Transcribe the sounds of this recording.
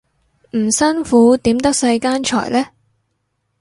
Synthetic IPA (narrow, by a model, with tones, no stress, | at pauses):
m̩˨˩sɐ˥nfuː˨˥t̪iː˨˥mt̪ɐ˥k̚sɐ˧jkaː˥nt͡ʃʰɔ̰ː˨˩jlɛː˥